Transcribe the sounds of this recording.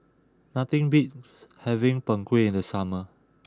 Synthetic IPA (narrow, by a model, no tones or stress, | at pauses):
nat̪ĩŋbit̚shɛvĩŋpə̃ŋkwiĩndəsamə